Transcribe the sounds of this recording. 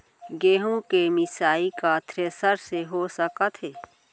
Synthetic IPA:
ɡeːɦõkemɪsaːikat̪ʰɾeːsəɾseɦosəkət̪ɦɛː

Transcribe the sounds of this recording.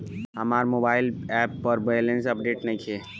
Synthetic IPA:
ɦɐmaːɾmoːbaːɪlɛːpːɔɾbejlẽnsɐpɖeːʈnɐɦĩkʰeː

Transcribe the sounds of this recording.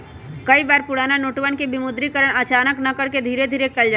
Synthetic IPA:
kəibaːɾpʊɽaːnanoːʈʋənkebimʊd̪ɾikəɾəɽ̃ət͡ʃaːnəknakəɽked̪ʱiːɾed̪ʱiːɾekɛld͡ʒa

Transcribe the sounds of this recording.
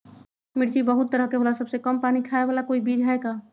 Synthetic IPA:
miɽt͡ʃibəɦut̪ːəɾəɦkeɦolasəbsekəmpanikʰaebalakoibid͡ʒɦeka

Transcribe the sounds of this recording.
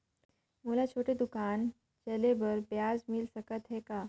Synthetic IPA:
mulat͡ɕʰoʈed̪ukan | t͡ɕelebəɾbjad͡zmilsəkət̪ɦɛka

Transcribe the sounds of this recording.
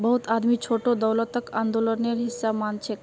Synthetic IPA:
bəɦut̪ad̪mit͡ʃʰoʈod̪əwlət̪əkand̪oləneɾɦisːamant͡ʃʰek

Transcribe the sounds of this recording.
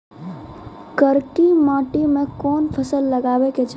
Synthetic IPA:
kəɾkimaʈimẽkɔnpʰəsəlːəɡabeket͡ʃʰ

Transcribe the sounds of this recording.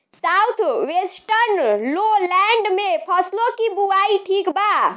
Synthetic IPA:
sawt̪ʰwesʈəɾnlolaɳɖmepʰəslokibuaiʈʰikba

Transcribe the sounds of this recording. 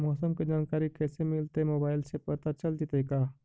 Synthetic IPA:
mɔːsəmked͡ʒaːnkaːɾikɛsemɪlt̪emoːbaːɪlsepəɾt̪at͡ʃɐld̪it̪ɐikaː

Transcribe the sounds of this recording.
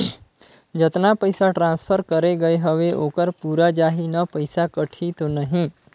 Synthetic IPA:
d͡ʒət̪napəjsaʈɾãnspʰəɾkəɾeɡəjɦəʋeʔokəɾpuɾad͡ʒaɦinəpəjsakəʈʰit̪onəɦĩ

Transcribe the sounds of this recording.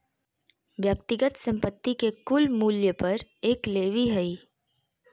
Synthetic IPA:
ʋjəkt̪ɪɡət̪sə̃mpət̪ːikekʊlmuːljəpɐɾeːkleːʋiɦɐiː

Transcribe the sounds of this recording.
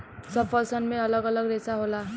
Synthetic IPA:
sʌpʰʌlsʌnmeʌlʌɡʌlʌɡɾesaɦola

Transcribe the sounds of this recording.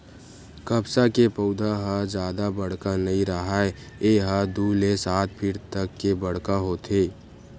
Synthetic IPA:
kɐbsakepəʊd̪ʱaɦəd͡ʒjaːd̪abɐɽ̤kanɐɦĩɾəɦaɛ | eːɦəd̪uːlesaːt̪̚ʰpʰɪɾt̪əkːebɐɽ̤kaɦoːt̪ʰeː

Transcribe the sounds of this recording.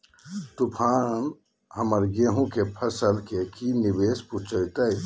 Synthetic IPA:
t̪upʰaːn | həməɾɡeːɦũkepʰəsəlkekinibeːsput͡ʃəjt̪əj

